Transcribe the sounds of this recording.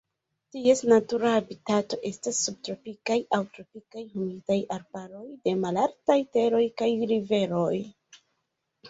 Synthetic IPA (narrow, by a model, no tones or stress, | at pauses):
tie̞snatuɾaːbitato̞ʔe̞stasːub̚tɾo̞pikajʔawtɾopikajhumitajaɾbaɾo̞jde̞malaɾtajte̞ɾo̞jkajɾive̞ɾo̞j